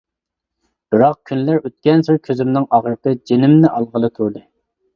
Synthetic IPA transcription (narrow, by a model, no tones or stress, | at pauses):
b̥ɪɾɑq̚kʲʰynlæɾøt̪̚kʲɛnsɨɾkʲʰøzymnɪŋɑʁɾɨt̪ɨd͡ʒenɪmnɪʔɑlˠʁəlˠɨt̪ʰuɾd̪ɨ